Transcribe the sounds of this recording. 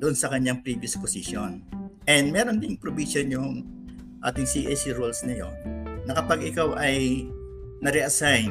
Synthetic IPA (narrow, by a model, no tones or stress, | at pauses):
d̪ʊʔonsɐkɐɲːaŋpɾiːbjɐsposiʃonʔɛnd̪mɛːɾond̪ɪŋpɾobisonjʊŋ | ʔa̰ːt̪ɪŋsiʔɛsiɹulsnɐjo̞̰nnɐkɐpaɡʔɪkawʔɐj | nɐɾɛʔɐsajn